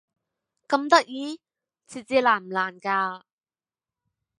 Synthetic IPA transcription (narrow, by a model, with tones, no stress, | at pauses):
kɐ˧mt̪ɐ˥k̚jiː˧˥ | t͡sʰi˨˩t͡siː˧laː˨˩nm̩ː˨˩laː˨˩nkaː˧